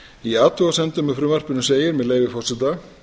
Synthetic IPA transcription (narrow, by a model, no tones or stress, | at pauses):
iaːt̪ʏasɛnt̪ʏmːɛfɾʏːmar̥pʏnʏseːjɪɾmɛðleːjvɪfɔr̥sɛt̪a